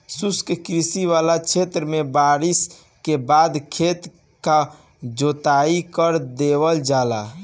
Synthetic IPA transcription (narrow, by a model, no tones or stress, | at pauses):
suskkɾisiʋalat͡ʃʰet̪ɾəmebaɾis | kebad̪kʰet̪ | ka | d͡ʒot̪aikəɾd̪ebəld͡ʒala̰